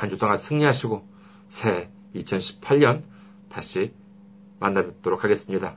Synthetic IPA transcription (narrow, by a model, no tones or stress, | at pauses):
and͡ʑʰot͈aŋansʰɯŋɲiɦaɕʰiɡo | sʰe̞ | it͡ɕʰʌnɕʰi̥pʰaʎɲʌn | taɕʰi | manːaj̚t͈oɾok̚ʰaɡe̞s͈ɯmɲida